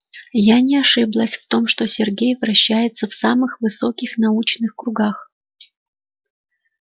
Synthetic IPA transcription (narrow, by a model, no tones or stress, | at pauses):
janʲɪɐʂɨblˠəsʲft̪o̞mʂt̪o̞sʲɪrɡʲejvɾɐɕːæjɪt̪səfsamɨxvɨso̞kʲɪxnɐut͡ɕnɨxkɾʊɡax